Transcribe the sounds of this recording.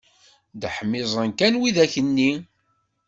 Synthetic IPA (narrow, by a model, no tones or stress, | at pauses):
d̪ħəmːɪzˤənkænwiðæçənːi